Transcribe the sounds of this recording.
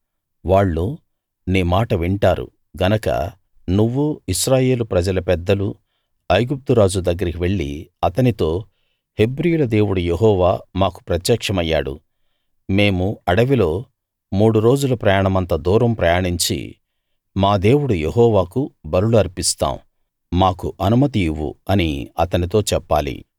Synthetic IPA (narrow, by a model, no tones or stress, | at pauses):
ʋaːɭːu | neːmaːʈɐʋiɳʈaːɾṵ | ɡɐnɐkɐ̰ | nuʋːuiʃɾaːje̞ːlupɾɐd͡ʒɐlɐpɛd̪ːɐlu | ɐjɡup̚t̪uɾaːd͡ʒud̪ɐɡːɐɾikiʋe̞ɭːḭɐt̪ɐnit̪o̞ː | he̞bɾijulɐd̪e̞ːwuɽujeɦɔːʋaːmaːku̥pɾɐt̪jɐkʂɐmɐjːa̰ːɽṵ | me̞ːmuɐɽɐʋilo̞ː | muːɽuɾo̞ːd͡ʒulɐpɾɐːjaɳɐmɐnt̪ɐd̪uːɾɐmpɾɐjaːɳiɲt͡ʃḭ | maːd̪e̞ːwuɽujeɦɔːʋaːkubɐɾuluɐɾpist̪a̰ːm | maːkuʔɐnumɐt̪iʋṵɐniɐt̪ɐnit̪o̞ːt͡ʃɛpːa̰ːlḭ